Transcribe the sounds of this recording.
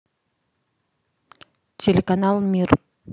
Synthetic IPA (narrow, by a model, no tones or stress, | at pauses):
tʰʲelʲekanɑlˠmʲir